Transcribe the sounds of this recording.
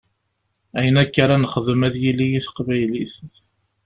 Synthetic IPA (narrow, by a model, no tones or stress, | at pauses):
æjənækːaɾˤanəχəðəmæðjilːijiθqvæjliθ